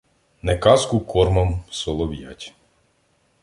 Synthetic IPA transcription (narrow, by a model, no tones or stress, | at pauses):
nɛkɑskʊkʰɔrmɐmsɔlˠɔʋja̰tʲ